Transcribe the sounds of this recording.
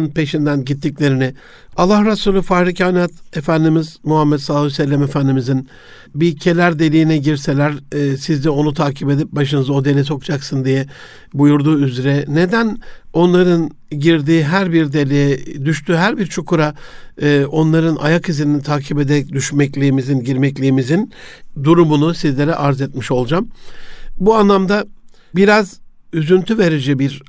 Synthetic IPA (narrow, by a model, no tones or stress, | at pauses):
npʰe̞ʃind̪ænɟit̪ʰːiclʲe̞ɾinɪ | alˠːahɾasulʲˠufaːɾicanat̪e̞fænd̪imizmuɦamːɛt̪saːlˠusɛlʲːɛme̞fænd̪imizin | bicʰe̞lʲæɾd̪e̞lʲijinɛɟiɾse̞lʲæɾsizd̪ɛo̞nut̪ʰaːcʰibe̞d̪ip̚baʃ̬ɯnɯzo̞d̪e̞nʲis̬o̞kd͡ʒaksɯnd̪ijɛ | bujuɾd̪uːyzɾɛne̞d̪æno̞nlˠaɾɯn | ɟiɾd̪iːɦæɾbiɾd̪e̞lʲijɛd̪yʃt̪ʰyːɦæɾbiɾt͡ʃʰukʰuɾaː | ʔo̞nlˠaɾɯnʔa̰jakʰizininit̪ʰaːcʰibe̞d̪ɛɛc̚d̪yʃmɛclʲiːmizinɟiɾmɛclʲiːmizind̪uɾumunusizlʲe̞ɾɛʔaɾzɛt̪̚miʃo̞lˠd͡ʒam | buanlˠamd̪a | biɾaz | yzynt̪ʰyve̞ɾid͡ʒɛbiɾ